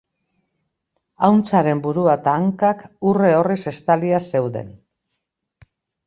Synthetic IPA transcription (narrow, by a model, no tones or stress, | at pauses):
awnt͡saɾe̞mbuɾuat̪aːŋkakure̞o̞rise̞st̪aliase̞wðe̞̰n